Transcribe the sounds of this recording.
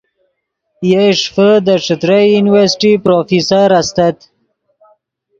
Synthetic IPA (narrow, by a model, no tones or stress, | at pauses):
jeʂfəd̪əʂɪt̪ɾajjuniwaɾsʈipɾofisaɾast̪at̪